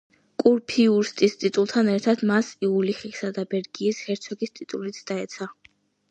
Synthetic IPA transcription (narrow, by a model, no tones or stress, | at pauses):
kʼuɾpʰiuɾst̪ʼist̪ʼit̪ʼulˠt̪ʰanɛɾt̪ʰad̪masiuliχiksad̪abɛɾɡiːshɛɾt̪sʰɔɡist̪ʼit̪ʼulit̪sʰd̪̥aɛt̪sʰa